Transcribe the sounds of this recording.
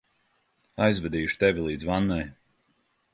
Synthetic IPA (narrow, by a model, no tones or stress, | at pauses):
ajzvɛd̪iːʃu̥t̪ɛvʲilˠiːd̪zvanːaj